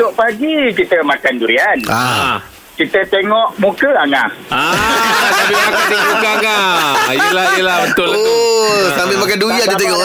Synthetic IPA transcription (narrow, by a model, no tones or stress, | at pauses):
oʔpaɡikit̪əmakand͡ʒuɾiana | kit̪ət̪eŋɔʔmukəaŋaasabimakandimukəaŋaijlaəlabət̪ʊloosambimakanduiat̪ət̪̬eŋɔʔ